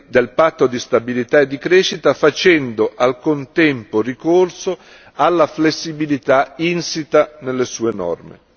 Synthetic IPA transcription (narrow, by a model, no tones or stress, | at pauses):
d̪elpat̪ːod̪ist̪abilit̪aed̪ːikɾeːʃːit̪afat͡ʃɛnd̪oʔalkont̪ɛmporikorso | alːaflesːibilit̪ainsit̪anelːesuːenɔ̰rmḛ